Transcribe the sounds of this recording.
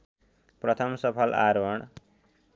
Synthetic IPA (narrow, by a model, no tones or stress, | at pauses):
prʌt̪ʰʌmsʌpʰʌlaɾʌɽ̃